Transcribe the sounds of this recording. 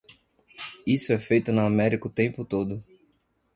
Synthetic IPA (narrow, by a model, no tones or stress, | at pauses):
isʊɛfejt̪ʊnʊamɛɾikʊt̪ẽmpʊt̪od̪ʊ